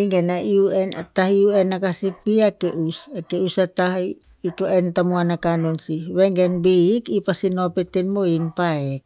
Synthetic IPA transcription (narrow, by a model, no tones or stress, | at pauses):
ŋɡenaiuena̰t̪ahiuenakasipiakeʔusakeusat̪ahi | itoent̪amuanakanonsiβeŋɡenbikipasinopet̪enmoinpaek̚